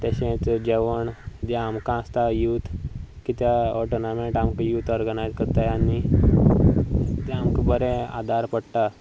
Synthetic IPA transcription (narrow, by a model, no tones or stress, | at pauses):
t̪aɕẽt͡sd͡ʑeʋəɳd͡ʑeamkãəst̪ajut̪ʰkit̪jaɔʈənamẽʈamkajuːt̪ɔɾɡənajzkəɾt̪ajanːi | t̪aamkabəɾɛ̃a̰d̪ʱaɾpəɽʈ̪a